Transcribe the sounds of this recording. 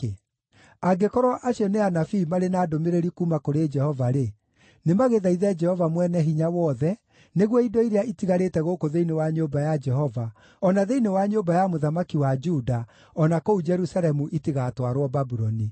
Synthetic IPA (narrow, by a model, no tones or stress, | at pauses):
aɡekɔɾwɔʔaʃɔneanafiːmaɾenaːdomeɾeɾikuːmakoɾed͡ʒɛhɔvaɾe | nemaɣeðaiðɛd͡ʒɛhɔvamwɛnɛɦiɲawɔðɛ | neɣwɔidɔiɾeaitiɣaɾetɛɣokoðeinewaɲombajad͡ʒɛɦɔva | ɔnaðeinewaɲobajamoðamakiwad͡ʒuda | ɔnakoud͡ʒɛɾusaɾɛmuʔitiɣatwaɾwɔbabuɾɔni